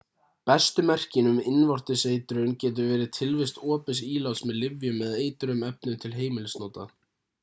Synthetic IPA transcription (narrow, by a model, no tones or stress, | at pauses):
pɛst̪ʏmɛr̥cɪnʏmɪnvɔr̥t̪ɪseːjt̪ɾʏncɛːt̪̬ʏvɛːɾɪðt̪ʰɪlvɪst̪ɔːpɪsiːlawsmɛðlɪvjʏmːɛðeːjt̪ʏɾʏmɛp̚nʏnt̪ʰɪlɦeːjmɪlɪsnoːt̪a̰